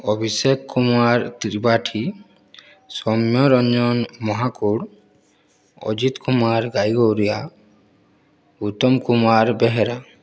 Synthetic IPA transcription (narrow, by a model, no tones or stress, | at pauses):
ɔbʱisekːumaɾt̪iɾbaʈʰi | sɔmjɔɾɔnd͡ʒɔnmɔɦakuɽ | ɔ̰d͡ʒit̪kumaɾɡajɡɔwɾija | ut̪ɔmkumaɾbɛɦɛɾa